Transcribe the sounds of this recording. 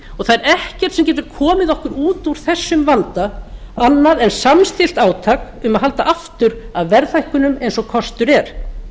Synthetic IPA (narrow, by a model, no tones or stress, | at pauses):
ɔɣθaðɛɾɛhcɛr̥t̪sɛmcɛːt̪ʏɾ̥kʰɔːmɪðɔhkʏɾuːt̪uɾ̥θɛsːʏmvant̪aanːaðɛnsamst̪ɪl̥t̪aːwt̪ʰaːk | ʏmaðɦalt̪aʔaft̪ʏɾaðvɛɾθajhkʏnʏmejnsɔkʰɔst̪ʏɾɛɾ̥